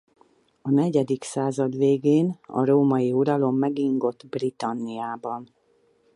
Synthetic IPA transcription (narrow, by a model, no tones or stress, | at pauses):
ɒnɛɟɛd̪iksaːzɒd̪ʋeːɡeːnɒ̰ɾoːmɒjiuɾɒlo̞mːɛɡiŋɡo̞t̪ːbrit̪ɒnːijaːbɒn